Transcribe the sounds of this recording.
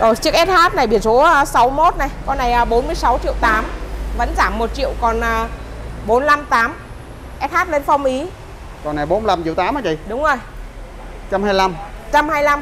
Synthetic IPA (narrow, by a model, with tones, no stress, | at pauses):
zo˨˩jt͡ɕɨ˦˥ək̚ʔɛ˦˥t̚haː˦˥t̚na˨˩jɓi˧˩ənso˨˦˧sa˨˦wmo˦˥t̚na˨˩jkɔ˨˧˦na˨˩jʔəː˨˦ɓo˨˦nmɨ˧əjsa˨˦wt͡ɕḭ˧˨əwt̪aː˨˦mvə̰˧˥nzaː˧˩mːo˨˩t̚t͡ɕḭ˧˨əwkɔ˨˩nʔəː˨˩ | ɓo˨˦nla˧mt̪aː˨˦m | ʔɛ˦˥t̚haː˦˥t̚le˧nfa˧wŋ͡mʔi˨˦ | kɔ˨˩nːa˨˩jɓo˨˦nla˧mt͡ɕi˧˨wt̪aː˨˦mʔaː˨˦t͡ɕḭ˧˩˨ɗʊ˨˦wŋ͡mzo˨˩j | t͡ɕa˧mhaː˧jla˧m | t͡ɕa˧mhaː˧jla˧m